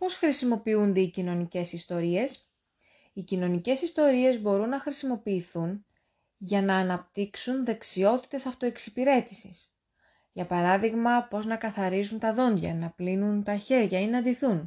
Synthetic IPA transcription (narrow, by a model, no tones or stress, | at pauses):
po̞sxɾisimo̞piund̪e̞icino̞nice̞sist̪o̞ɾie̞s | icino̞nice̞sist̪o̞ɾie̞zbo̞ɾunːɐxɾisimo̞piːθun | ʝɐnɐːnɐp̚t̪iksunðe̞ksio̞t̪i̥t̪e̞sɐft̪o̞e̞ksipiɾe̞t̪i̥sis | ʝɐpɐɾɐðiɣmɐpo̞znɐkɐθɐɾizunt̪ɐðo̞nd̪ʝɐ̰nɐplinunt̪ɐçe̞ɾʝɐinɐɐnd̪iθun